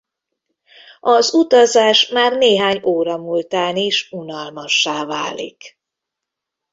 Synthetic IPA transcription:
ɒzut̪ɒzaːʃmaːrneːɦaːɲoːɾɒmult̪aːniːʃunɒlmɒʃːaːvaːlḭk

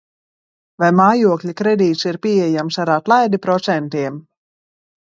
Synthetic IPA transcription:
vajmaːjuɔklʲikɾɛd̪iːt̪siɾpʲiːɛjamsaɾaːt̪lˠajd̪ipɾɔt̪sɛnt̪iɛm

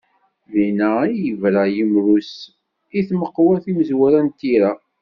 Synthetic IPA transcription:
ðinæijəvɾæjəmɾus | iθməqːwæθiməzwæɾænt̪iɾa

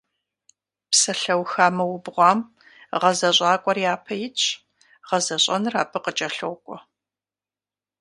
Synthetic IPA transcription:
psɐɬɐwxaːmɐwʊbʁʷɑːm | ʁɐzɐɕʼɑːkʷʼɔrjaːpʰɐjɪt͡ʃʼʰ | ʁɐzɐɕʼɐnɨraːpʰɨqət͡ʃʼɐɬowkʷʼɔ

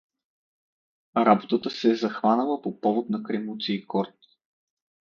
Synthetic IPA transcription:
ɾabot̪ət̪əsɛzɐxvanəlˠəpopɔvot̪nɐkɾɛmut̪siːkɔɾt̪

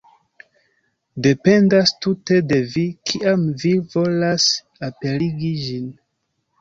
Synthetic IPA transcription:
de̞pe̞ndastute̞de̞vikʰiʔamvivo̞las | ape̞liɡid͡ʒin

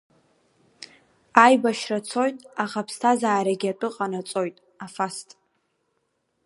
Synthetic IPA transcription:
ajbaʃrat͡sʰo̞jtʼaχapʰstʰazaːɾaɡʲatʷʼɨqʼanat͡sʼo̞jtʼ | afastʼ

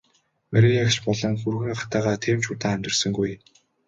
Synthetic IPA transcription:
mæɾʲĭŋakt͡ɕpɔɮɞ̆ŋxurɣɘ̆ŋɢaχt̪æːʁaːt̪ʰiːmt͡ɕʊːt̪aːæmʲt̪ɪ̆rsə̆ŋɡuj

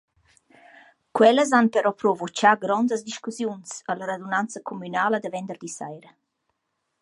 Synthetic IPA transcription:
kwɛləz̬anpəɾɔpɾɔvot͡ʃaɡɾɔnd̪əsd̪iʃkusjunsələɾad̪unant͡səkʰomynaːləd̪əvɛnd̪ərd̪isa̰jɾə

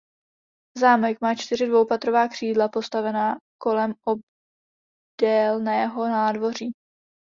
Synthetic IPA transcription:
zaːmɛkmaːt͡ʃt̪ɪrɪdvo̞wpat̪ɾo̞vaːkr̝̥iːdlapo̞st̪avɛnaːko̞lɛmʔob̚ | d̥ɛlnɛːɦonaːdvo̞r̝iː

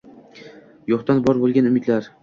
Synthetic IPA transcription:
joχt̪anbɒɾbolˠɡʲanʊmɪd̪laɾ

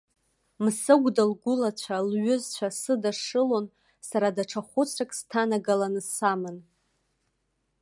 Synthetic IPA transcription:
msɨɡʷdalɡʷʊlat͡ɕʷʰalɥʏzt͡ɕʷʰasɨdaʂɨlo̞n | saɾadaʈ͡ʂʰaχʷʊt͡sʰrakʼstʰanaɡalanɨsamɨn

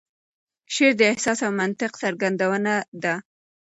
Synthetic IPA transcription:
ʃeɾd̪əɪhsɑsawmant̪ɪqsaɾɡand̪awənad̪a

